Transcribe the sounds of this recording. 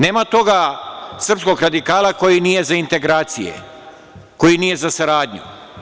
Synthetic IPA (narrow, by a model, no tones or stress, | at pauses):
ne̞ːmat̪o̞ɡasr̩psko̞ɡɾad̪ikaːlako̞jinije̞zaint̪e̞ɡɾaːt̪sijḛ | ko̞jinije̞zasaɾaːd̪ɲṵ